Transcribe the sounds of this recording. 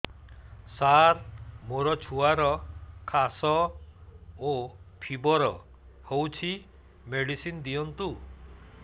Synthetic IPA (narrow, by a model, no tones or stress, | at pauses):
saɾmoɾɔt͡ʃʰuaɾɔkʰasɔ | opʰibɔɾɔ̰ | howt͡ʃʰi | meɽisind̪iɔnt̪u